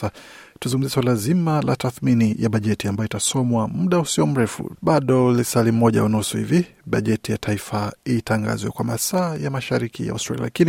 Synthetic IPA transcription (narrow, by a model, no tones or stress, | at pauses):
atuzuŋɡum̩ziɛswalazimala̰taθminijaɓaʄɛtiambajɔitasɔmwamuɗausiɔm̩ɾɛfṵɓaɗɔlisalim̩mɔʄa̰unausuhḭviɓaʄɛtijatʰaifaiːtʰaŋɡa̰zwɛkwamasaːjamaʃaɾikḭja̰ustɾa̰lḭa̰la̰kini